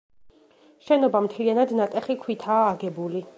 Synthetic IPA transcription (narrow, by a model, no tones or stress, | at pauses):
ʃɛnɔbamt̪ʰlianad̪nat̪ʼɛχikʰwit̪ʰaːɡɛbuli